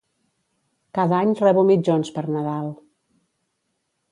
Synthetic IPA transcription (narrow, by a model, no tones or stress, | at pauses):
kaðaɲrɛβumid͡ʒonspəɾnəðalˠ